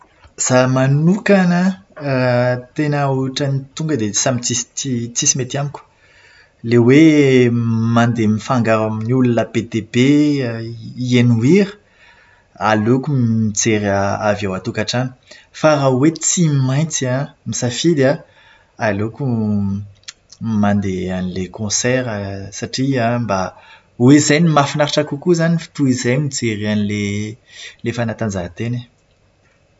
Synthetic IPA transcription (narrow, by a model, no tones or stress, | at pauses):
z̥amanukanə | t̪enauʈ͡ʂanit̪uŋɡəd̪esamit͡sist͡sit͡sisimet̪iamiku̥ | lewe | mand̪emifaŋɡaɾaminulunəbet̪ebe | ienuiɾə̥ | alokumit͡seɾaa̰vjawat̪ukaʈ͡ʂani̥faɾawet͡simaj̃nt͡siamisafid̪a | aloku | mand̪eanilekõsɛɾəsaʈ͡ʂiãmba | wezajnimafinaɾaʈ͡ʂakukuzanifi̥t̪uizajmit͡seɾianile | lefanat̪and͡zat̪ene